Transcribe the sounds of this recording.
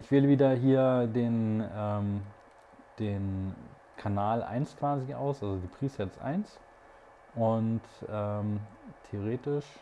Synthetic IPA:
ʔɪçv̥eːləviːdɐɦiːɐdeːnʔɛːm | d̥eːn | kʰanaːlʔa̰ɪnskv̥aːziʔa̰ʊsʔalzodiːpʁ̥iːsɛt͡sʔa̰ɪns | ʔʊntʔɛːmtʰeoʁ̞eːtɪʃ

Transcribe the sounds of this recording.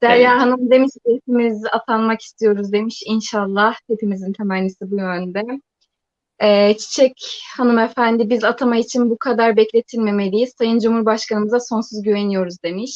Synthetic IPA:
d̪̥æɾjaːɦanɯmd̪e̞miʃd̪esimizat̪ʰanmaki̥st̪ʰijo̞ɾuzd̪e̞miʃinʃalˠːaht̪ʰe̞pimizint̪ʰemaːnisibujønd̪ɛ | ɛːt͡ʃʰi̥t͡ʃʰɛchanɯmefænd̪ibizat̪ʰamait͡ʃʰinbukʰad̪aɾbɛclʲe̞t̪ʰilʲme̞me̞lʲijiz̥sajɯnd͡ʒumhuɾbaʃkanɯmɯzaso̞nsuzɟyve̞nijo̞ɾuzd̪e̞miʃ

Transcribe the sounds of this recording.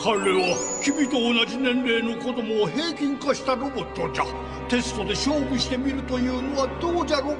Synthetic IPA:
kʰanɾeβakʲibʲit̪o̞ːnad͡ʑinẽ̞nɾe̞ːno̞ko̞d̪o̞moːɦe̞ːkʲĩŋkaɕi̥t̪aɾo̞bo̞t̪ːo̞d͡ʑa | t̪e̞sɨ̥t̪o̞d̪e̞ɕo̞ːbɯ̟ɕi̥t̪e̞mʲiɾɯ̟t̪o̞jɯ̟ːno̞βad̪̥oːd͡ʑaɾo

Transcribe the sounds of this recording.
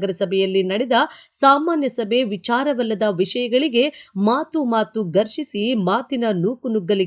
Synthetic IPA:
ɡɐɾɐsɐbʱɛjɐlːinɐɽɛd̪ɐsaːmaːnjɐsɐbʱe̞ʋit͡ʃaːɾɐʋɐlːɐd̪ɐʋiʂɐjɐɡɐɭiɡe̞maːt̪umaːt̪uɡɐɾʂisimaːt̪inɐnuːkunuɡːɐli

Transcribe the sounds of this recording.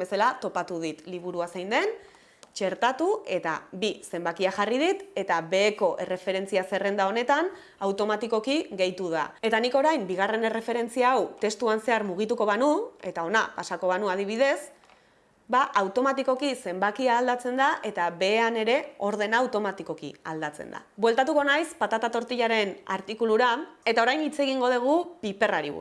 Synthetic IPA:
be̞salat̪o̞pat̪uð̞it̪liβ̞uɾuasajnd̪e̞n | t͡ʃe̞ɾt̪at̪ue̞t̪a̰bise̞mbakiaxariðit̪e̞t̪aβe̞ːko̞ʔe̞re̞fe̞ɾe̞nt͡siase̞re̞nd̪ao̞ne̞t̪an | awt̪o̞mat̪iko̞kiɣe̞jt̪uð̞a̰e̞t̪aniko̞ɾajmbiɣ̞are̞ne̞re̞fe̞ɾe̞nt͡siaːwt̪e̞st̪uanse̞aɾmuɣ̞it̪uko̞βanue̞t̪ao̞napasako̞βanuað̞iβ̞ið̞e̞s | baʔawt̪o̞mat̪iko̞kise̞mbakiaːld̪at͡se̞nd̪aʔe̞t̪aβe̞ːane̞ɾe̞o̞ɾðe̞naːwt̪o̞mat̪iko̞kḭa̰ld̪at͡se̞̰nd̪a̰bwe̞lt̪at̪uko̞najspat̪at̪at̪o̞ɾt̪iʎaɾe̞na̰ɾt̪ikuluɾae̞t̪ao̞ɾajnit͡se̞ɣ̞iŋɡo̞ð̞eɣ̞upipe̞raɾḭβṵ

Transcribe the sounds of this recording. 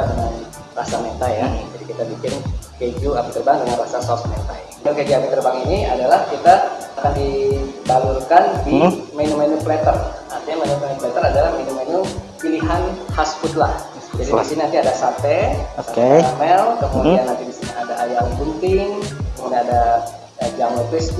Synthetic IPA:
dəŋan | rasamet̪ajad͡ʒadikit̪abikɪnkeɡuapit̪ərbaŋdəŋanrasasɔsmḛt̪a̰jdakad͡ʒiamit̪ərbaŋiniadalahkit̪aakandit̪alʊlkandimenumenuplɛt̪ərart̪iɲamenumenuplɛt̪əradalahmenumenumpiliɦanhasfut̪̚lah | d͡ʒadidisiniant̪iadasat̪ɛsaamɛlkəmudianːant̪idisiniadaʔajaŋbunt̪ɪŋkəmudianada | əd͡ʒamet̪ɪs

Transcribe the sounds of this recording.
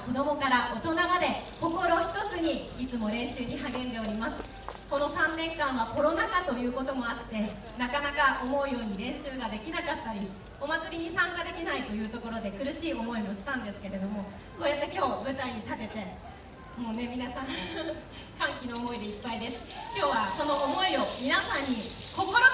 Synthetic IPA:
ko̞d̪o̞mo̞kaɾaʔo̞t̪o̞namad̪e̞ko̞ko̞ɾo̞çi̥t̪ot͡sɨɲ̟iit͡sɨmo̞ɾẽ̞ɰ̃ɕɨːɲ̟iɦaɡẽ̞nd̪e̞o̞ɾʲimasɨ̥ | ko̞no̞sãnːẽ̞ŋkãɰ̃β̞ako̞ɾo̞nakat̪o̞jɯ̟ːko̞t̪o̞mo̞at̪ːe̞ | nakanakaʔomo̞ɯ̟jo̞ːɲ̟iɾẽ̞ɰ̃ɕɨːɡad̪e̞kʲinakat̪ːaɾʲi | o̞mat͡sɨɾʲiɲ̟isãŋkad̪e̞mʲinait̪o̞jɯ̟ːt̪o̞ko̞ɾo̞d̪e̞kɯ̟ɾɯ̟ɕiːo̞mo̞imoɕi̥t̪ãnd̪e̞sɨ̥ke̞ɾe̞d̪o̞mo̞ | soːjat̪ːekʲo̞ːbɯ̟t̪aiɲ̟it̪abe̞t̪e̞ | mo̞ːne̞mʲinasãn | kãŋkʲino̞ːmo̞id̪e̞ipːaid̪e̞sɨ̥kʲo̞ːβaso̞no̞ʔːmo̞io̞mʲinasãɲ̟ːiko̞ko̞ɾo

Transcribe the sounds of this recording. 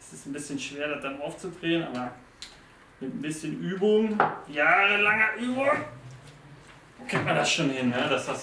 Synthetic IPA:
ɛsɪstn̩bɪsçənʃv̥eːɐɾat̚d̥anaʊft͡sudʁeːənʔa̰ːbɐ | mɪtn̩bɪsçənʔyːbʊŋjaːʁəlaŋɐʔyːbʊŋ | okʰʁɪŋtmandasʃoːnhɪnːədasas

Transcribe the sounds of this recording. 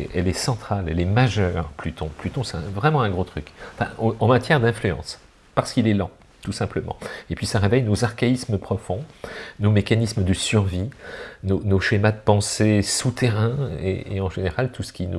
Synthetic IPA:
ʔɛlɛsɑ̃t̪χalɛ̰lɛmaʒœʁplyt̪ʰɔ̰̃plyt̪õsɛɛ̃vʁɛmɑ̃ɛ̃ɡʁot̪χykɑ̃fɛ̰̃ɑ̃mat̪jɛʁd̪ɛ̃flyɑ̰̃s | paʁsə̥kilɛlɑ̰̃ | t̪usɛ̃pləmɑ̰̃epɥisaʁevɛjnozaʁkʲaisməpχɔfɔ̃nomekanisməd̪əsyʁvinonoʃemad̪əpɑ̃sesut̪ʰeʁɛ̃ḛḛɑ̃ʒeneʁalt̪usə̥kʲinu

